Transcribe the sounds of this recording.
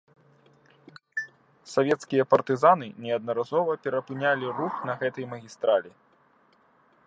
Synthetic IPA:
savʲɛt̪skʲijɐpɐrt̪ɨzan̪ɨnʲɛɐd̪̚nɐɾazɔvɐpʲɛɾɐpɨnʲalʲiruxnɐɣɛt̪ɐjmɐɣʲist̪ɾalʲi

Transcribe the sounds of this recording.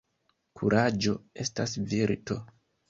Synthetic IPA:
kʰuɾʔad͡ʒo̞e̞stasviɾto̞

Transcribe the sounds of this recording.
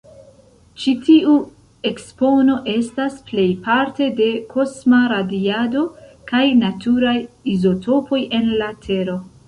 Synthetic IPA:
t͡ʃitiu | e̞kspo̞no̞ʔe̞stasple̞jpaɾte̞de̞kʰo̞smaɾadiado̞kajnatʰuɾajizo̞tʰo̞po̞jʔe̞nlatʰe̞ɾo̞

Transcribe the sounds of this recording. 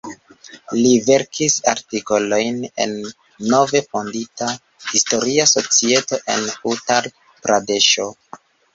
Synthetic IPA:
live̞ɾkʰisaɾtiko̞lo̞jne̞̰nː | o̞ve̞fo̞ndita | histo̞ɾiaso̞t͡sie̞to̞ʔe̞̰nutal | pɾade̞ʃo

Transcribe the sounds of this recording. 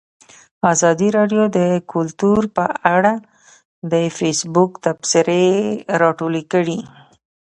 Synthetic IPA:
azɑd̪iɾɑɖjod̪əkʰʊlt̪uɾpəaɽa | d̪əfesbʊkt̪absɪɾeɾɑʈolekəɽi

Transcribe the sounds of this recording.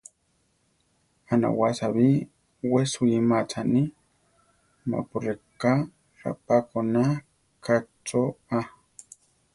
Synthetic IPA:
ana̰wasaβi | wesujimat͡sʰani | ma̰pʊɾeka | ɾa̰pakona | kat͡soa

